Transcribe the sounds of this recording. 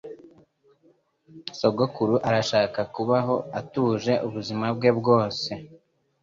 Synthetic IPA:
soɡo̞kuɾuʔaɾaʃaːkakuβaɦo̞atuːʒe̞ʔuβuzimab̚ɡe̞bɡo̞ːse̞

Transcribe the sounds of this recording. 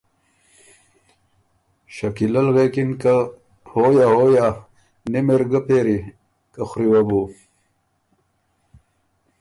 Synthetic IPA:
ɕɐkilɐlɣeːkinka | hojaɦoːja | nimeɾɡəpeːɾi | kaxɾiwabu

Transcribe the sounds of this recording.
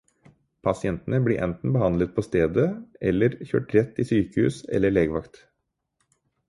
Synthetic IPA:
pʰɑsɪɛnt̪ənəbliːʔɛ̰nt̪n̩bəhɑnd̪lət̪̚pʰɔst̪eːd̪əʔɛlːəɾçø̰ːʈɾɛt̪ːiːsyːkəhʉ̰ːsɛ̰lːəɭeːɡəʋɑkt̪

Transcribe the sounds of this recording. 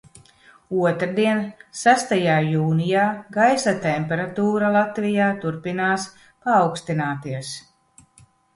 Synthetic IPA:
uɔt̪ɾd̪iɛnsæst̪ajaːjuːnijaːɡajsat̪ɛmʲpʲɛɾat̪uːɾalˠat̪vijaːt̪uɾpinaːs | paːwkst̪inaːt̪iɛs

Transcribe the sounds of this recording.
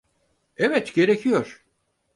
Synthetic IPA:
evɛt̪ɟe̞ɾecʰijoɾ̥

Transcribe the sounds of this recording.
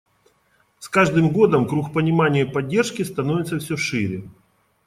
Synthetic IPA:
skaʐd̪ɨmɡo̞d̪əmkɾuxpənʲɪmanʲɪjəpɐdʲːe̞rʂkʲɪst̪ɐnovʲɪt̪səfsʲoʂɨɾʲɪ

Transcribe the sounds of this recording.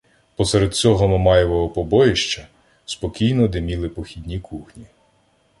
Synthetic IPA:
pɔsɛɾed̪̚t͡sʲɔɦɔmɔmɑjɔʋɔɦɔpɔbɔjeʃt͡ʃɐ | spɔkʲijnɔd̪ɪmʲilˠɪpɔxʲid̪ʲnʲikʰuxnʲi

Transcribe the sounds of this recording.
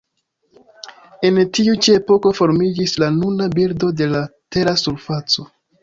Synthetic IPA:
e̞ntiut͡ʃie̞po̞ko̞fo̞ɾmid͡ʒislanunabiɾdo̞de̞late̞ɾasuɾfat͡so̞

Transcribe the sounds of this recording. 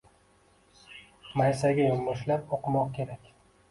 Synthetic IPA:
majsaɡʲajʊmːʊʃlapoqʰɨmɒqkʲʰe̞ɾakʲ

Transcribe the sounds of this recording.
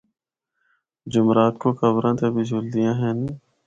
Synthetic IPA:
d͡ʒʊmɾaːt̪koːkəbɾãːt̪ebʱid͡ʒʊld̪ijãːɦɛn

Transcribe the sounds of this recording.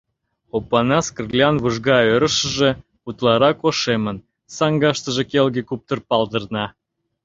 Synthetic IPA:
opɑnɑskərlʲɑnβuʒɣɑøɾəʃə̆ʒĕ | ut̪lɑɾɑkoʃemən | sɑŋɡɑʃt̪ə̆ʒĕkelɣekup̚t̪ərpɑld̪ə̆rnɑ

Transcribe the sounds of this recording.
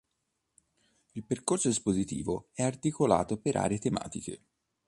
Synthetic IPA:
ilperkorsod̪ispozit̪ḭːvoɛart̪ikola̰ːt̪opeɾʔa̰ːɾeet̪ema̰ːt̪ikḛ

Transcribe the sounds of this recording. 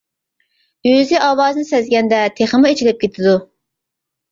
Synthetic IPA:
yzɪʔɑːwɑːznɨsɛzɡʲɛnd̪ɛt̪ʰeχəmuet͡ʃʰilɪp̚kʲʰet̪ʰɪd̪u

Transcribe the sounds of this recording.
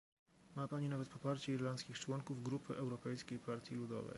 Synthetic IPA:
mapaɲinavɛt̪̚pɔpaɾt͡ɕɛiɾlant̪skʲixt͡ʂwɔŋkuvɡɾupʰɘ̰ʔɛwɾɔpɛjskʲejpaɾt̪ʲjilud̪ɔ̰vɛ̰j

